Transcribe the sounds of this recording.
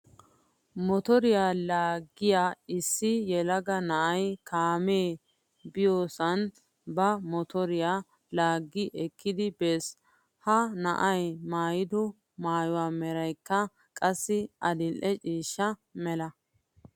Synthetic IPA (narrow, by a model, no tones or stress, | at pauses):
mɔt̪ɔɾɪjaːlaːɡːɪjaɪsːɪjɛlɐɡɐnɐʔɐjkʰaːmeː | bɪjoːsɐn | bɐmɔt̪ɔɾɪjaː | laːɡːɪʔɛkːɪd̪ɪbeːs | hɐnɐʔɐjmaːjɪd̪ɔ | maːjʊwaːmɛɾɐjkːɐ | kʼɐsːɪʔɐd̪ɪlʔɛt͡ʃʼiːʃːɐmɛlɐ